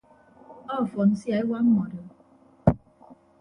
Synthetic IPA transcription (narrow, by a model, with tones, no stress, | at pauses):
ɔ˦˨fɔ˨n̩˦si˦a˨˦i˦wa˦m̩˦mɔ˨də˨